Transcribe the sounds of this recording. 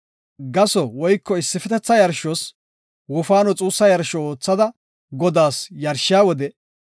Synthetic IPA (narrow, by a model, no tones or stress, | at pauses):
ɡɐsɔwɔjkːɔɪsːɪfɛt̪ɛt͡sːɐjɐɾʃɔs | wʊfaːnɔt͡sʼuːsːɐjɐɾʃɔoːt͡sːɐd̪ɐ | ɡɔd̪aːsjɐɾʃɪjaːwɔd̪ɛ